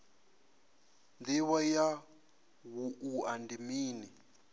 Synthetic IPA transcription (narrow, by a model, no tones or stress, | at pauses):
ndiwaja | wuʔuandimiːni